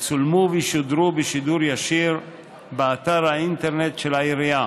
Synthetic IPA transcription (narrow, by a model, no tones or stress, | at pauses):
t͡sulmuviʃod̪ɾubeʃid̪uɾjaʃiɾ | beat̪aɾaint̪eɾnet̪ʃelaiɾia